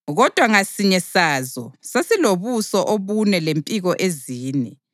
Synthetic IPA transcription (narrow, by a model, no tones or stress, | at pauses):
ɣɔd̥ʱwaŋasiɲɛsaːzɔ̰sasiloβusɔʔoβunɛlempʼiɣɔʔeziːnɛ